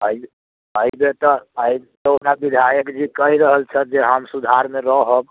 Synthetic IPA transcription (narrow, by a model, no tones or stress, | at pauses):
əi | əibet̪ɔəit̪ɔopnabid̪ʱajəkd͡ʒikəɦiɾəɦəlt͡ʃʰət̪̚d͡ʒeɦəmsud̪ʱaɾmeɾəɦəb